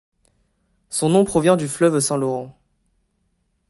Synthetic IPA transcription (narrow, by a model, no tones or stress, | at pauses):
sɔ̃nɔ̃pχɔvjɛ̃d̪yflœvsɛ̃lɔʁɑ̃